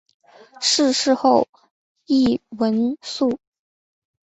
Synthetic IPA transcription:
ʂɻ̩˥˧ʂɻ̩˥˧xo˥˧ʊ | i˥˩wə˧˥nsu˥˩

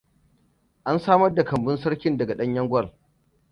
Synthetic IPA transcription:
ʔa˦nsaː˦mɐ˦rda˨kɐ˨mbɪ˦nsɐ˦ɽkʲɪ˦ndɐ˨ɡa˨ɗɐ˦ɲjɐ˦ŋɡʷɐ˦˨r

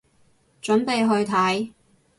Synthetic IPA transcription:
t͡ʃɵ˨˥npe˨jɦɵ˧ɥt̪ʰɐ˨˥j

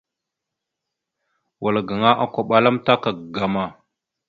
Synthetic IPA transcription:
wa˨lɡa˨ŋa˦ʔa˨kʷa˨ɓa˦la˦mta˦ka˨ɡa˨ma˨

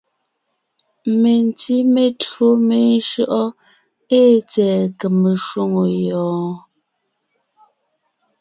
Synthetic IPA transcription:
me˨n˨ti˦me˨tɰo˦me˦n˦ʃo˦ʔɔ˦ | e˦t͡sɛː˨ke˨me˨ʃwo˦ŋo˨jɔː˨˦

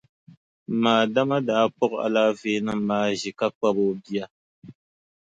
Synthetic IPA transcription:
maː˨da˦ma˦daː˦k͡pɔ˦ka̰˨laː˦veː˦na˦m̩˨maː˦ʒɪ˨ka˦k͡pa˦bo˦bi˦a˦

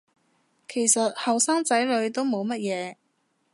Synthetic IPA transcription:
kʰe˨˩jsɐ˨t̚hɐ˨wsaː˥ŋt͡sɐ˨˥jlɵ˨˧ɥt̪o˥wmo˨˧wmɐ˥t̚jɛː˨˧

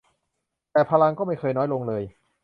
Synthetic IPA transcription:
t̪ɛː˨˩pʰaː˧la˧ŋkɔː˥˩ma˥˩jkʰɤː˧jnɔː˦˥jlo˧ŋlɤː˧j

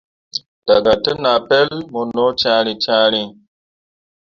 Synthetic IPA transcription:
d̥a˨ɡa˨te˦na˨pe˦lmo˨nːo˦t͡ʃã˦ɾi˦t͡ʃãː˦ɾi˦

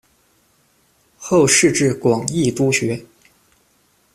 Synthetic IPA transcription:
xo˥˧ʊʂɻ̩˥˧ʈ͡ʂɻ̩˥˩kwɑ˨˩ŋi˥˩t̪u˥ɕɥɛ˧˥

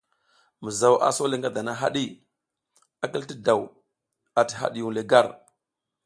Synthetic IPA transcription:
mə˨za˨wʔa̰˨so˦le˦ŋɡa˦da˨na˦ɦa̰˦ɗi˦ | a˦ki˦lti˦da˨w | a˨ti̥˨ɦa̰˦˨ɗi˨ju˨le˨ɡa˦˨ɾ

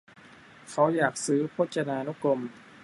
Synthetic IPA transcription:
kʰa˨˥wjaː˨˩k̚sɯː˩˦pʰoː˦˥t̪̚t͡ɕa˧naː˧nu˦˥ko˧m

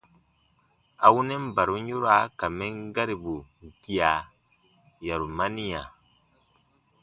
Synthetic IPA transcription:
a˨wu˦nɛ˦m̩˦ba˨ɾu˦ɲ˦u˦ɾa˦ka˨mɛ˦ŋ˦ɡa˦ɾi˨bu˨ŋ̩˨ki˦a˨ | ja˨ɾu˨ma˦ni˦a˨

